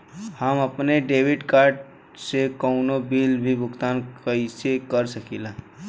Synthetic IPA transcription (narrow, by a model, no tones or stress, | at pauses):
həməpneɖeːwɪɖkaːɾɖ | sekəʊnobiːlbʱibʱʊkt̪aːnkəisekəɾsəkila